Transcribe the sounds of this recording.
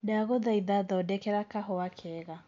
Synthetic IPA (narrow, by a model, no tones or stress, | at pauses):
naɣɔðaiðaðaɔdɛkɛɾakaɦɔwakʰɛɣa